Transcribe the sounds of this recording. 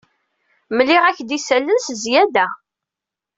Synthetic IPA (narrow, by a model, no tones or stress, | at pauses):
məlːiʁæçd̪isælːənszjæd̪æ